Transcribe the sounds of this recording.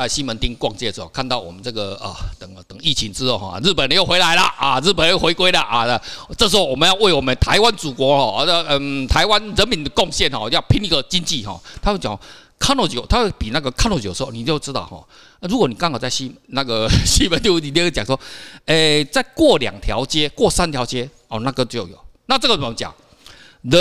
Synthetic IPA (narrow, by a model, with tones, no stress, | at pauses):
a˧ɪɕi˦˥mə˨˦nt̪i˧˥ŋkwɑ˥˧ŋt͡ɕjɛ˥˩də˩ʂ̩˧o˥˧˩kʰa˥˧nt̪ɑ˥˩ʊwɔ̰˨˩mə˦nt͡sɤ˥˩ɡə˩ə̰˩t̪ə˨˩ŋt̪ə˨˩ŋi˥˩t͡ɕʰi˧˦ŋt͡s̩˥o˥˩xɔ̰˥˧ɻ̩˥˩pə˨˩n˦jo˥˩ʊxwe˧˥ɪla˧˦ɪlɐ̰˨ʔa˨˩ɻ̩˥˩p̬ə˨n˦jo˥˩xwe˧˥ɪkwe˥ɪlə˨ʔa˨˩˧t͡sə˥˩ʂ̬̩˧˥xo˧ʊwɔ˨˩mə˨˦njɑ˥˧ʊwe˥˩ɪwɔ˨˩mə˨˦nt̪ʰa˧˦ɪwa˦nt͡su˨˩kwɔ˧˥˦hɔ˥˧ə˧˩ə˧˩nt̪ʰa˧˦ɪwa˦nɻə˨˦nmi˨˦nd̪ə˨˩kɔ˥˧ŋɕjɛ˥˨nhɔ̰˨˩ja˥˧ʊpʰi˧˥ni˧˥ɡə˨t͡ɕi˦˥nt͡ɕi˥˨ɦɔ̰˥˩t̪ʰa˥t͡ɕt͡ɕja̰˨ŋ˨˩ | kʰa˥nɔ˥˨˩t͡ɕjo˨˩t̪ʰa˥we˥˩pi˨na˥˧˩ɡə˨kʰa˥n˥˧˩t͡ɕjəʂ̩˥˧˥ni˨˩t͡ɕjo˥˧t͡sɻ̩˥t̪ɑ̰˥˨ʊhɔ̰˩ | ɻu˧˥kwɔ˨˦ni˨˩ka˥ŋkt͡sa˥˩ɪɕi˥mə˦na˥˧ɡə˨ɕi˥mə˧˨˦t͡ɕ̪jo˥˧i˥˩t͡ɕi˨˩jt͡ɕa˨˩ŋswɔ˦e˥˩t͡sa˥˧ɪkwɔ˥˩lja̰˨˩ŋt̪ʰjɑ̰˧˦ʊt͡ɕjɛ˥˦kwɔ˥˨sa˥nt̪ʰja˧˦ʊt͡ɕjɛ˥ | ɔ˨˩na˥˧kə˦nt͡ɕjo˥˨˩jo̰˨˩ʊna˥˧t͡sə˥˩ɡə˨˩˨t͡ɕja̰˨˩ŋ | ə˧˦